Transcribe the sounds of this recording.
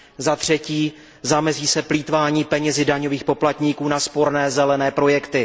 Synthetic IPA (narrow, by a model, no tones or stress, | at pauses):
zat̪r̝̥ɛciː | zamɛziːsɛpliːt̪vaːɲiːpɛɲɛzɪdaɲo̞viːxpo̞plat̪ɲiːkuːnaspo̞ɾnɛːzɛlɛnɛːpɾo̞jɛkt̪ɪ